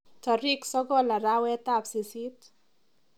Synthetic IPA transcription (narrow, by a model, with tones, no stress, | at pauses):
tɔ˨ɾiksɔ˦ɡɔ˦la˨ɾa˦wɛ˦t̪apsi˨si˦t̪